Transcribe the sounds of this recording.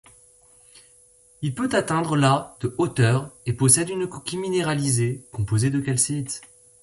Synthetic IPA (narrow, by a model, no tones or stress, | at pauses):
ilpøt̪at̪ɛ̃d̪ʁəlad̪̥əot̪œʁepɔsɛd̪ynkɔkʲimineʁalizekɔ̃pozed̪əkalsit̪